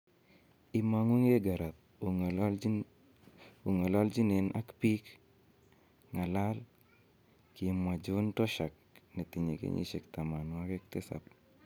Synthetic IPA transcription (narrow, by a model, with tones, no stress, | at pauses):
ɪ˦ma˦ŋwu˦ŋe˦ɡa˨ɾa˨t̪̚ | o˨ŋa˨la˦ld͡ʒi˦ne˨nʔa̰˦kpi˦k | ŋa˨la˦l | ki˨˦mwa˨d͡ʒu˦ntɔ˦ʃa˨k̚ne˨ti˨ɲe˨kḛɲḭ˦ʃɛ˨kt̪a˨ma˨nwa˦kɛ˦k̚t̪ɪ˦sa̰˨p̚